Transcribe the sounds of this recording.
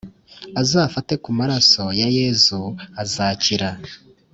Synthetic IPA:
azaːfate̞kumaɾaso̞jaje̞zuazaciɾa

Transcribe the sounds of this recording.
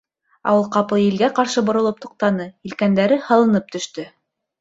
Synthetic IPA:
ɑ̰wɤlˠqɑp̪ɤjilɡæqɑɾʃɤbŏɾŏlˠɤp̚t̪uq̚t̪ɑnɤilkænd̪æɾɘhɑlˠɤ̆nɤp̚t̪ɵ̆ʃt̪ɵ

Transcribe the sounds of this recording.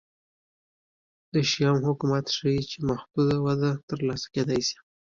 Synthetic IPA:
d̪əʃjɑmhʊkumat̪ʂait͡ʃemahd̪̥ud̪awad̪at̪əɾlɑsḁked̪ɑjsi̥

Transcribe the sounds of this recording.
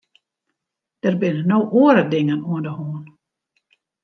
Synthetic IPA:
d̥ərbɪnənowʔoəɾədɪŋənuəndəhoːn

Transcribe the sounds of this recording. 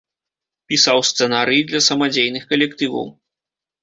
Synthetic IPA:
pʲisawst̪sɛnaɾɨjid̪lʲɐsɐmad͡zʲejnɨxkɐlʲɛkt̪ɨvɐ̰w

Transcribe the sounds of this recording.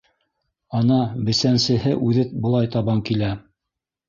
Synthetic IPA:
ɑnɑbɘ̆sænsɘ̆ɦɘʔʉðɘt̚bɤ̆lˠɑjt̪ɑβɑŋkilæ

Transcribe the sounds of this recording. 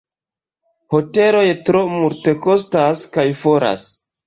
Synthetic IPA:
ho̞te̞lo̞jtɾo̞multe̞ko̞staskajfo̞ɾa̰s

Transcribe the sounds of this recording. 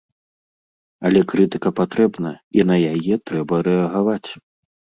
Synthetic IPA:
ɐlʲɛkɾɨt̪ɨkɐpat̪ɾɛbnɐinɐjajɛt̪ɾɛbɐɾɛɐɣavat͡sʲ

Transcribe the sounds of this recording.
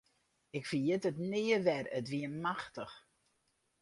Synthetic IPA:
ɪkfijɪtətnɪːəʋɛrətʋiəmaxtəx

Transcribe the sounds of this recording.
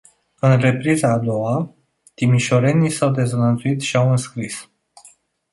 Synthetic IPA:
ɨnɾe̞pɾizaːd̪o̞wa | t̪imiʃoɾe̞nisawd̪e̞zənənzuit̪ʃiawɨnskɾis

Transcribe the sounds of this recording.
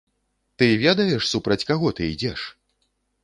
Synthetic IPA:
t̪ɨvʲɛd̪ɐjɛʂsupɾɐt͡sʲkaɣɔt̪ɨid͡zʲɛʂ

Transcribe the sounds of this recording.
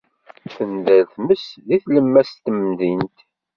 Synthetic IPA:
θənðælθməsðiθləmːæst̪ːəmðint̪

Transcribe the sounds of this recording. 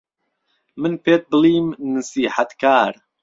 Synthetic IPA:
mɨnpeːt̪̚bɨliːmnɨsiːħat̪kaːɾ

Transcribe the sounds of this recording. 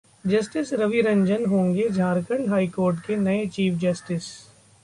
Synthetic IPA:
d͡ʒɐsʈɪsɾɐʋiɾɐ̃ɲd͡ʒənɦõːŋɡed͡ʒʱaːɾkəɳɖɦaːikoːɾʈkenɐet͡ʃiːfʰd͡ʒɐsʈɪs

